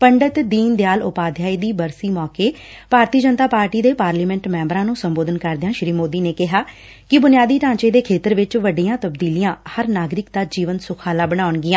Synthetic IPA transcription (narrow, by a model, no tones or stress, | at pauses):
pəɳɖət̪d̪iːnd̪ɪjaːlʊpaːd̪ʱjaːiːd̪iːbəɾsiːmɔːkeː | b̥ʱaːɾt̪iːd͡ʒənt̪aːpaːɾʈiːd̪eːpaːɾliːmɛ̃ɳʈmɛ̃ːmbəɾãːnũːsəmboːd̪ənkəɾd̪ɪjãːʃɾiːmoːd̪iːneːkɪɦaː | kɪbʊnɪjaːd̪iːʈãːt͡ʃeːd̪eːkʰeːt̪əɾʋɪt͡ʃʋəɖiːãːt̪əbd̪iːliːãːhəɾnaːɡɾɪk̚d̪aːd͡ʒiːʋənsʊkʰaːlaːbəɽaːʊɳɡɪjãː